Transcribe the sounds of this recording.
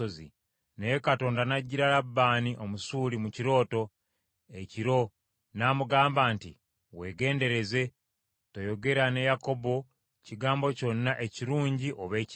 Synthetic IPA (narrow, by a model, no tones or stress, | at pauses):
ozḭ | nejokato̞ːndanaɟːiɾalabːaːniʔo̞musuːlimuciɾo̞ːto̞ | e̞ciɾo̞ | naːmuɡaːmbaːntḭ | we̞ːɡe̞ːnde̞ɾe̞ze̞ | to̞jo̞ɡe̞ɾane̞jako̞bo̞ | ciɡaːmbo̞co̞nːaʔe̞ciɾuːɲɟiʔo̞βe̞ːc